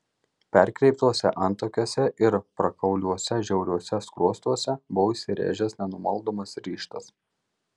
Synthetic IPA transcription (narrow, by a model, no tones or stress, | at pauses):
pʲɛɾʲˑkɾʲɛɪp̚t̪uɔsʲɛ̰ʔɐnˑt̪oːkʲuːsʲɛʔɪɾpɾɐkɐʊlʲuɔsʲɛʒʲɛʊɾʲuɔsʲɛskɾuɔst̪uɔsʲɛbʊosʲɪɾʲḛːʒʲɛsnʲɛnʊmɐlˠd̪oːmɐsɾʲiːʃt̪ɐs